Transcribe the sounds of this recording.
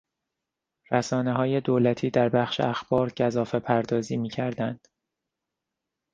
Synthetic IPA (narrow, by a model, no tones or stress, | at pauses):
ræsɒːneɦɒːje̞d̪oːlæt̪ʰiːd̪æɾbæxʃḛæxb̥ɒːɾɟæzɒːfe̞pʰæɾd̪ɒːziːmiːcʰæɾd̪ænd̪̥